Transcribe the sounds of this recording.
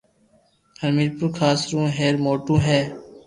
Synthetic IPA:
əɾmiːɾpʊɾkʰaːsɾũːɦeːɾmoːʈũːɦɛː

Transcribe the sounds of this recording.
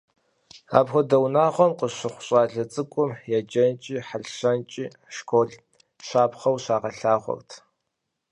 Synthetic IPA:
a̰ːbxʷɔdɐwnaːʁʷɔmqəɕɪχʷʊɕʼaːɮɐt͡sʼɨkʷʼʊmjad͡ʒɐnt͡ʃʼiːħaɮɕɐnt͡ʃʼiː | ʃkʷʰoːɮ | ɕaːpχɐwɕaːʁɐɬaːχʷɔ̰rtʰ

